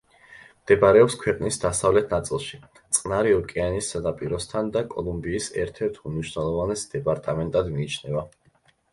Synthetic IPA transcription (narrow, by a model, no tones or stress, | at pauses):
md̪̥ɛbaɾɛɔpskʰwɛqʼnisd̪asavlɛt̪ʰnat̪sʼilˠʃi | t̪sʼqʼnaɾiɔkʼianisːad̪apʼiɾɔst̪ʰand̪akʼɔ̰lˠumbiːsɛ̰ɾt̪ʰɛɾt̪ʰumniʃwnɛlˠɔvanɛsd̪̥ɛpʼaɾt̪ʼamɛnt̪ʼad̪miːt͡ʃʰnɛva